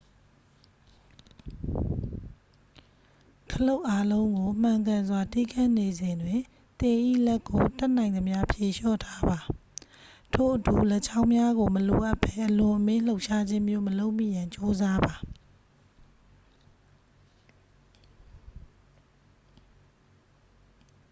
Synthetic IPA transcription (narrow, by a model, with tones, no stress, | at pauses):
kʰəlo˦ʊʔa˦lõ˦ʊ̃ŋɡo˨m̥ã˨ŋk̬ã˨nzwa˨ti˦˨kʰã˦˨ne˨zɪ̃˨ndwɪ̃˨ | t̪ɪ̃˨ʔḭ˦˨lɛ˦kːo˨tɛ˦ʔnã˨ɪ̃nd̪ə˨mja˦pʰje˨ʃɔ̰˦˨tʰa˦ba˨ | tʰo̰˦˨ʔətu˨lɛ˦˨t͡ɕʰã˦ʊ̃mja˦ɣo˨məlo˨ʔa˦pʰːɛ˦ʔəlʊ̃˨ʔəmɪ̃˦l̥o˦ʊʔʃa˦d͡ʑɪ̃˦mjo̰˦˨məlo˦ʊʔmḭ˦˨jã˨ɲt͡ɕo˦za˦ba˨